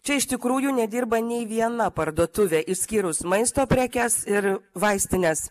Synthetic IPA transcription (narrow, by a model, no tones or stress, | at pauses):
t͡ʃʲɛɪʃt̪ʲɪkɾuːjunʲɛd̪ʲiːɾbɐnʲɛɪʋʲiɛnɐpɐɾd̪uɔt̪ʊʋʲeːʔɪsʲkʲiːɾʊsmɐɪst̪oːpʲɾʲækʲɛsɪɾʋɐɪsʲt̪ʲɪnʲes